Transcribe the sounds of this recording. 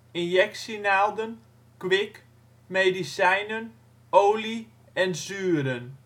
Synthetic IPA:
ɪnjɛksinalˠdən | kʋɪk | medisɛjnən | oːli | ɛnsyːɾən

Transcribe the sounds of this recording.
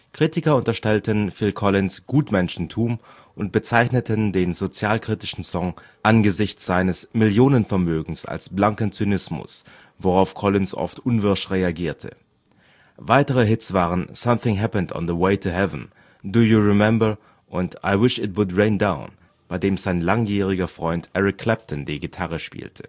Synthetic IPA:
kʁ̥itɪkɐʊntɐʃtɛltənfɪlkʰɔlɪnsɡ̥uːtmɛnʃn̩tʰuːm | ʔʊnt̚b̥ət͡saɪçnətʰəndeːnzot͡sjaːlkʁ̥itɪʃn̩sɔŋ | ʔanɡəzɪçt͡sz̥aɪnəsmɪljoːnənfɛɐmøːɡŋ̩sa̰lsb̥laŋkənt͡synɪsmʊ̰s | voʁaʊfkʰɔlɪnsʔɔ̰ftʔʊnvʏɐʃtʁeaɡiːɐtʰə̰ | vaɪtəʁ̞əɦɪtsv̥aːʁ̞ənsʌ̃mθɪ̃ŋɦæpəndɔ̰n̩ðəweɪtʰuɦɛvn̩ | dujuɹɪmɛmbə˞ | ʔʊnta̰ɪwɪʃɪtwʊdʁẽɪ̃ndãʊ̃n | b̥aɪdeːmzaɪnlaŋjiːʁ̞ɪɡɐfʁ̥ɔʏntʔɛʁɪkʰːl̥ɛp̚tʰn̩diːɡɪtʰaʁəʃpḭːltʰə̥

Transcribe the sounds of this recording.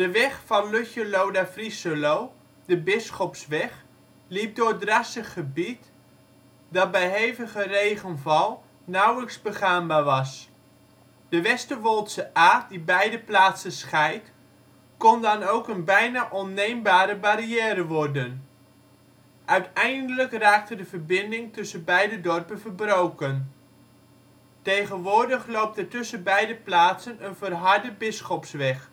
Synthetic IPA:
d̥əʋɛχfɑnløçəlowdafrisəlow | dəbɪsχɔpsʋɛχ | lip̚dorədrasəχːəbit | dɑt̚bɛjɦejvəɣərejɣənvɑlˠ | nawləksbəχaːmbaːʋɑs | d̥əʋɛstəʋolˠtsəʔaːt̚dibɛjdəplaːtsəsχɛjt | kɔndɑnowkənbɛjnaːʔɔnːejmbaːɾəbariɛːɾəʋɔrdən | ʔœɥtɛjndələkraːk̚tədəvərbɪndɪŋtɵsənbɛjdədɔrpənvəbrowkən | tejχənʋʊːrdəχlowp̚tətʏsənbɛjdəplaːtsənənvərɦɑɹdəbɪsχɔpsʋɛχ

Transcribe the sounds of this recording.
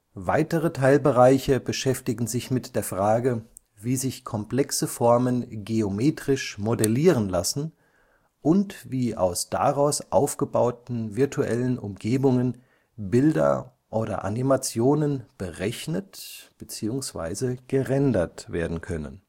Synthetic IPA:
vaɪtəʁətʰaɪlbəʁaɪçəbəʃɛftɪɡŋ̩zɪçmɪtd̥eːɐfʁ̥aːɡə | viːzɪçkʰɔmpl̥ɛksəfɔɐmənɡeomeːtʁ̥ɪʃmodɛliːʁənlasn̩ | ʔʊntviːʔa̰ʊsd̥a̰ʁaʊsʔaʊfɡ̥əbaʊtn̩vɪɐtʰuʔɛ̰lənʔʊ̰mɡeːbʊŋən | bɪldɐ̰ | ʔoːɾɐ̰ʔa̰nimat͡sjoːnənb̥əʁɛçnətb̥ət͡siːʊŋsv̥a̰ɪzəɡ̥əʁɛndɐtv̥eːɐdn̩kʰœnə̰n

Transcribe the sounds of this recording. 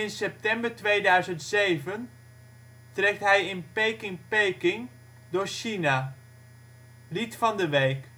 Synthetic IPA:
ɪnsɛp̚tɛmbəɹtʋejdœɥzəntsejvən | trɛk̚tɦɛjɪnpejkɪŋpejkɪŋ | dʊːɹʃina | litfɑndəʋejk

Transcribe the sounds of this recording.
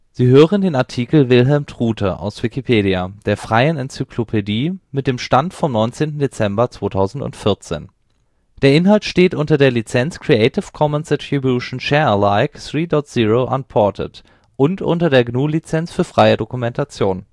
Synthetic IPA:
z̥iːɦøːʁəndeːnaɐtʰikl̩vɪlɦɛlmtʁ̥uːtʰɐʔa̰ʊsv̥ikipʰeːɾiad̥eːɐfʁ̥aɪənɛnt͡sykʰlopʰediːmɪt̚d̥eːmʃtantfɔmnɔʏnt͡seːntn̩det͡sɛmbɐt͡sv̥oːtʰaʊzn̩tʊ̰ntfɪɐt͡sḛːn | d̥eːɐɪnɦaltʃteːtʔʊntɐdeːɐlit͡sɛnt͡skʁ̥ieɪtɪfkʰɔmənsd̥ɛtʁ̥ibjuʃn̩ʃɛɐlaɪkθʁ̥iːdɔtz̥iːʁoʔanpʰɔɐtʰə̰t | ʔʊntʔʊ̰ntɐdeːɐɡnuːlit͡sɛnt͡sfyːɐfʁ̥aɪədokumɛntʰat͡sjoːn

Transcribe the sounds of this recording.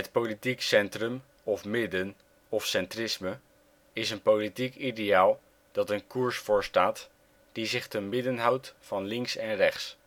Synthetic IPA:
ɦət̚politiksɛntrəm | ɔfmɪdən | ɔfsɛntrɪsmə | ɪsənpolitikidejaːlˠ | d̥ɑtənkuɹsfʊːɹstaːt | d̥izɪχtəmɪdənɦʌwtfɑnlɪŋksɛnrɛχs

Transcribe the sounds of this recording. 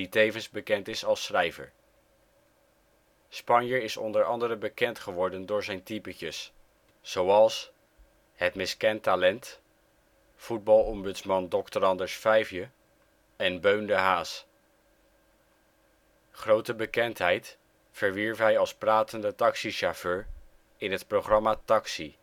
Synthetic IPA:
itejvənzbəkɛntɪsɑlˠsχrɛjvə̰ɹ | spɑɲjəɹɪsɔ̰ndəɹɑ̰ndəɾəbəkɛntχəʋɔɹdəndʊːɹzɛjntipəcəsː | owɑlˠs | ɦətmɪskɛntalɛnt | fud̚bɑlˠɔmbɵtsmɑndɔktəɾɑndəɹsfɛjfjə | ɛnbøɥndəɦaːs | χrowtəbəkɛntɦɛjt | fəɹʋiɹfɦɛjɑlˠspraːtəndətɑksiʃaføːɹ | ɪnɦətproχrɑmaːtɑksi

